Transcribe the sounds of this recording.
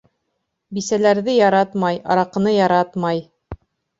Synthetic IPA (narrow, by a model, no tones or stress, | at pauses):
bisælæɾðɘjɑɾɑt̪mɑjɑ̰ɾɑqɤ̆nɤjɑɾɑt̪mɑj